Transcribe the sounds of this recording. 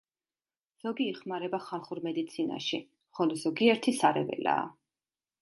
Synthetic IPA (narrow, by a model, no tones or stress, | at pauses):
z̥ɔɡiːχmaɾɛbaχalˠχuɾmɛd̪it̪sʰina̰ʃi | χɔlɔzɔɡiɛɾt̪ʰisaɾɛvɛ̰la̰ː